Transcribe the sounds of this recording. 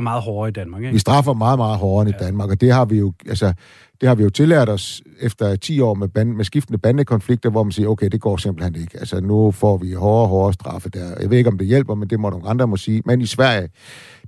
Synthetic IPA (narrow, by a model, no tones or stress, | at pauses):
mɑ̈ːð̩ˠhɒːid̥ænɑɡʋisd̥ʁɑ̈fɐmɑ̈ːðˠmɑ̈ːð̞̩ˠɦɒːɐnəid̥ænmɑ̈ɡ̥ɒd̥e̝ɦɑ̈ʋijo̝ælsə | d̥e̝hɑ̈ʋijo̝t͡sʰe̝lɛɐɾ̥ɒ̽s | efd̥ɐt͡sʰḭːɒ̰ːmebænmesɡ̥ifd̥nəb̥ænəkʰɒ̽nfliɡ̥̚d̥ɐʋɒ̰mænsḭːɐoʊkʰeɪd̥e̝ɡ̥ɒ̰ːsemb̥l̩en̰d̥e̝ɡ̥əælsənufɒ̰ːʋihɒːɦɒːɐsd̥ʁɑ̈fəd̥æɐja̰e̝ðˠeɡɒ̽md̥e̝jel̰b̥ɐmend̥e̝mɔnoŋɑ̈nd̥ʁɐmɒ̽siːmenisʋæɐ̰jə